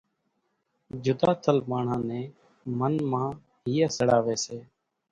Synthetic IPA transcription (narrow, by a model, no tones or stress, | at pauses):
d͡ʒʊd̪aːt̪ʰəlmaːɳ̤ãːnẽː | mənmãː | ɦiːeːsəɽaːʋeːseː